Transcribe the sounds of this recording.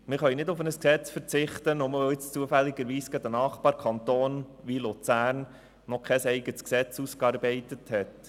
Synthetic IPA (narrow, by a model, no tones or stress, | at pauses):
mɪɾχœɥnɪdʊfənəsksɛt͡sfəɾt͡sɪχt̪ənʊməʋoɪt͡st͡suəfælːɪɡəɾʋiːsɡ̥æd̪ənɑːχpɑːɾkʰɑnt̪oːnʋilut͡sæːɾn | nɔkʰɛsɛɪɡətsksɛt͡suːskɑːɾbɛɪtəthɛt